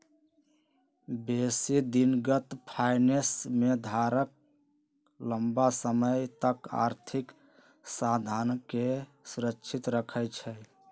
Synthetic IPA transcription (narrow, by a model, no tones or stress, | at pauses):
besid̪inɡət̪pʰajnesmed̪ʱaɾək̚ | ləmbasəməjt̪əka̰ɾt̪ʰik | sad̪ʱankesuɾəkːt͡ʃʰit̪ɾəkʰəjt͡ʃʰɛ